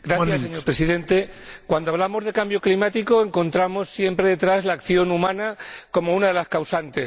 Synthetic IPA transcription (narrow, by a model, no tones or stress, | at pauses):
ɡɾaθjasːeɲo̞ɾpɾesiðe̞nt̪e̞kwand̪oaβ̞lamo̞zð̞e̞kambjo̞klimat̪iko̞e̞ŋko̞nt̪ɾamo̞sːjempɾe̞ðe̞t̪ɾazlaːkθjo̞numãnako̞mo̞unaðe̞laskawsant̪e̞s